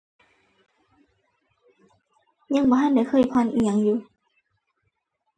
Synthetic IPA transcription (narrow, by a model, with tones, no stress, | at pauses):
ɲa˧˨ŋbɔː˧˦ɦa˧˥˨nda˧˩jkʰɤː˧˩˨jpʰɔ˧˨nʔi˧˨a˨ŋjuː˨˦